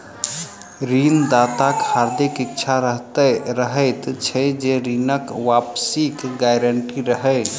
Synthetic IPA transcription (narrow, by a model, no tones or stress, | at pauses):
ɾind̪at̪akhaɾd̪ikik̚t͡ʃʰaɾəɦt̪əɾəɦəjt̪t͡ʃʰɛd͡ʒeɾinəkʋapsikɡajɾəɳʈiɾəɦəj